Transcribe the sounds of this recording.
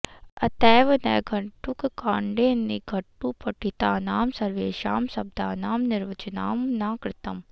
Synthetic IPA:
ɐt̪ɛːʋnɛ̰ːɡʱɐɳʈukkaːɳɖeːniɡʱɐʈːuːpɐʈit̪aːnaːmsɐɾʋeːʃa̰ːmsɐb̚d̪aːnaːmnɪɾʋɐt͡ʃɐna̰ːmnaːkɾɪt̪ɐm

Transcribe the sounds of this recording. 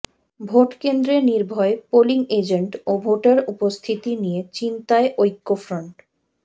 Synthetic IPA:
bʱoʈkend̪ɾeniɾbʱɔepoliŋed͡ʑeɳʈobʱoʈaɾupost̪ʰit̪inijet͡ɕint̪aeʔojkːofɾoɳʈ

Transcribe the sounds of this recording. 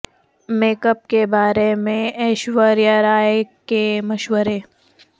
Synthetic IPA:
meːkəp̚kebaːɾemẽɛːʃwəɾjəɾaːjekemɐʃʋəɾeː

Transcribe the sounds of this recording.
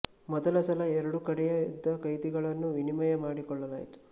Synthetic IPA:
mɔd̪ɐlɐsɐlɐɛɾɐɽukɐɽɛjɐid̪ːɐkɐjt̪iɡɐɭɐnːuʋinimɐjɐmaːɽikɔɭːɐlaːjit̪u̥

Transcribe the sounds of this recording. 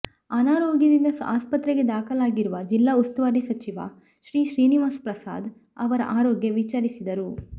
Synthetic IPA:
ɐnaːɾoːɡjɐd̪ind̪ɐsa̰ːspɐt̪ɾeɡe̞d̪aːkʰɐlaːɡiɾuʋɐd͡ʒilːaːust̪ɐʋaːɾisɐt͡ʃiʋa̰ | ʃɾiːʃɾiːniʋaːspɾɐsa̰ːd̪ | ɐʋɐɾɐ̰ʔaːɾoːɡjɐʋit͡ʃaːɾisid̪ɐɾu

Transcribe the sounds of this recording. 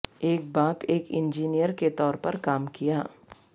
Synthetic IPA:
eːk̚baːpeːkɪ̃nd͡ʒiːnijəɾket̪ɔːɾpɐɾkaːmkija̰ː

